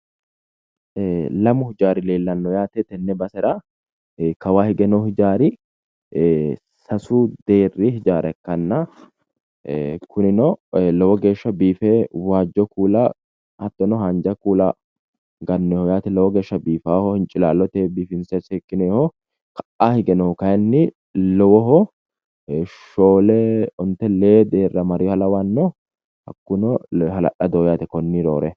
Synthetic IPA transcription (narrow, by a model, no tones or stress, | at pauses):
lɐmʊhɪd͡ʒaːɾɪleːlːɐnːɔjaːt̪ɛt̪ɛnːɛbɐsɛɾɐ | kɐwaːhɪɡɛnɔhɪd͡ʒaːɾɪ | sɐsud̪e̞ːrːɪhɪd͡ʒaːɾʔɛkːɐnːɐ | kʰʊnɪnɔlɔwɔɡe̞ːʃːɐbiːfewaːd͡ʒːɔkuːlɐ | ʔɐt̪ːɔnɔɦɐnd͡ʒɐkuːlɐ̰ | ɡɐnːɛhɔjaːt̪ɛlɔwɔɡe̞ːʃːɐbiːfaːhɔhɪnt͡ʃʼɪlaːlːɔt̪eːbiːfɪnsɛsɛkːɪneːhɔ | kɐ̥ʔahɪɡɛnɔhkɐjnːɪ | lɔwɔɦɔ | ʃoːlɛɔnt̪ːɛleːd̪eːrːɐmɐɾɪjɔhɐlɐwanːɔ | hɐ̰kːʊnɔɦɐlɐ̰ʔɐd̪oːjaːt̪ɛkɔnːɪɾo̰ːɾɛ